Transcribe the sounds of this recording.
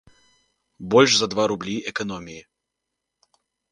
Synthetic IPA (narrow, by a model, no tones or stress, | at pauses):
bɔlʲʂzɐd̪vaɾʊblʲiʔɛkɐnɔmʲɪɪ